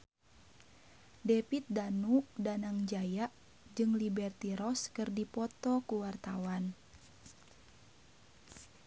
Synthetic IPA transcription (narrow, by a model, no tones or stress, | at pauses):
dɛpit̪̚danuʔdanaŋd͡ʒajaʔ | d͡ʒɨŋlibɛrt̪iɾɔskɨrdipɔt̪ɔkuwart̪awan